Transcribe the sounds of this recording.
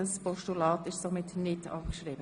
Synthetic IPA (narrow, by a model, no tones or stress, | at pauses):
əspɔʃtulɑːtɪʃsomɪtnɪtɑ̰pkʃɾiːbə